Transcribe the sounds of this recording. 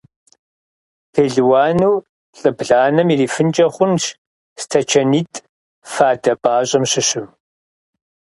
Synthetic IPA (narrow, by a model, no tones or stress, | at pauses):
pʰeːɮwaːnuw | ɬʼɨbɮaːnɐmiriːfɨnt͡ʃʼɐχʷʊnʃ | stʰɐt͡ʃʰɐniːtʼ | faːdɐbaːɕʼɐmɕɪɕɪm